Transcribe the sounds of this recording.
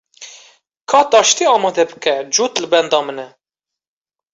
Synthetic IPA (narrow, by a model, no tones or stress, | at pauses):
kʰɑːt̪ɑːʃt̪iːɑːmɑːd̪ɛbɨkɛd͡ʒuːt̪lɨbɛnd̪ɑːmənɛ